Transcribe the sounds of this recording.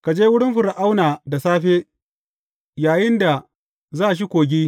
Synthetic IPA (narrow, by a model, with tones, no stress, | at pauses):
ka˨d͡ʒeː˦wʊ˦ɽɪ˦mɸʊ˨ɾa˨ʔa˦wnaː˨da˨saː˦ɸeː˦ | jaː˨jɪ˦nda˨ | zaː˦˨ʃ̬i˦kʷoː˨ɡʲiː˦